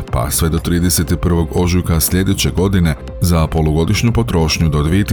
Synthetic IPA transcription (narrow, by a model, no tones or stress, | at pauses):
pa̰sʋe̞d̪o̞t̪ɾiːd̪e̞se̞t̪ipr̩ʋo̞ɡo̞ʒukasʎʲe̞d̪et͡ɕe̞ɡo̞d̪ine̞ | zapo̞luɡo̞d̪iʃɲupo̞t̪ɾo̞ʃɲud̪o̞d̪ʋiet̪